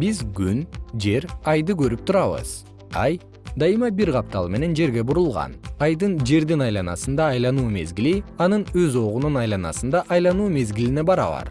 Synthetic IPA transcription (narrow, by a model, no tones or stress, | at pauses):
bizɡynd͡ʒe̞ɾɑjd̪ɯkʰø̞ɾyp̚t̪ʰuɾɑβɯ̰z̥ | ɑj | d̪ɑjɯmɑbiɾqɑp̚t̪ɑ̰lˠme̞ne̞nd͡ʒe̞ɾɡʲe̞buɾulˠʁɑ̰nɑjd̪ɯnd͡ʒe̞ɾd̪inɑjlˠɑnɑ̰sɯnd̪ɑːjlˠɑnuːme̞̰zɡʲiliɑnɯnøzo̞ʁununɑjlˠɑnɑ̰sɯnd̪ɑʔɑjlˠɑnuːme̞zɡʲiline̞bɑɾɑ̰βɑ̰ɾ